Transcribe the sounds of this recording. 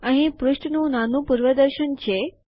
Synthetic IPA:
aɦipɾuɕʈnunanupuɾʋəd̪əɾɕənt͡ɕe

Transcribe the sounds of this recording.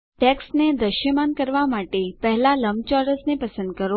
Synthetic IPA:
ʈɛksned̪ɾəʃjəmankəɾʋamaʈepəɦɛlaləmt͡ʃɔɾəsnepəsə̃nd̪̚kəɾ

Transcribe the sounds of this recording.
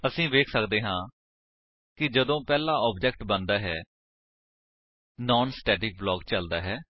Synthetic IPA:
əsĩːʋeːkʰsəkd̪eːɦãː | kɪd͡ʒəd̪õːpɛːlaːʔɔːbd͡ʒɛːk̚ʈbənd̪aːɦɛː | nɔːnsʈɛːʈɪːk̚blɔːkt͡ʃəld̪aːɦɛː

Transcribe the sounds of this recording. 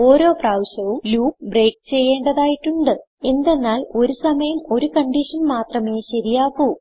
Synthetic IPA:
o̞ːɾo̞ːpraːwɕɐʋumluːkbreːkt͡ɕe̞jːeːɳɖɐðaːjiʈːuɳɖɨ | e̞nd̪e̞nːaːlo̞ɾusɐmɐjɐmo̞ɾukɐɳɖiʂɐnmaːt̪rɐme̞ːɕɐɾijaːkːu

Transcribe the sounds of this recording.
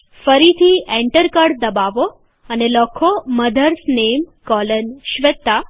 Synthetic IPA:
fəɾit̪ʰiẽɳʈəɾkəɽd̪əbaʋo | ənelɔkʰoməd̪ʱəɾsnemkɔlənɕʋet̪ːa

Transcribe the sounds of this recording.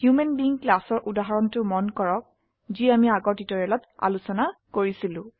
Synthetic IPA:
hjumenbiŋklasɔɹʔudaɦaɹɔntʊmɔnkɔɹɔk̚ | ziamiaɡɔɹtitɔɹɛlɔta̰lusɔnakoɹisilʊ̃

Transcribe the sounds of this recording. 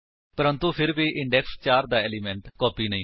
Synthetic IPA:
pəɾə̃nt̪upʰɪɾbiːʔɪɳɖɛːkst͡ʃaːɾd̪aːɛːliːmɛ̃ɳʈkɔːpiːnəĩː

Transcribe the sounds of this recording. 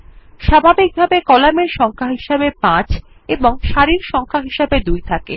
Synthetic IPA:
ʃabʱabik̚bʱabekɔlameɾʃɔŋkʰaɦiʃebepãt͡ɕ | eboŋʃaɾiɾʃɔŋkʰaɦiʃebed̪ujt̪ʰakḛ

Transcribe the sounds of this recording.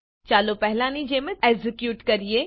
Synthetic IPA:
t͡ʃaːlopɛɦlaːnid͡ʒeːmeɛzɪkjuːʈkɐɾieː

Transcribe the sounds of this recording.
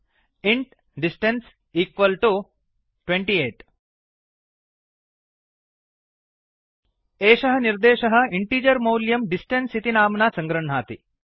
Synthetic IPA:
iɳʈ | ɖisʈens | iːkʋɐlʈu | ʈweɳʈieːʈ | eːʃɐɦɐ̆niɾd̪eːʃɐɦɐ̆iɳʈiːd͡ʒɐɾmɐwljɐmɖisʈensit̪inaːmnaːsɐŋɡɾɐɳɳaːt̪i

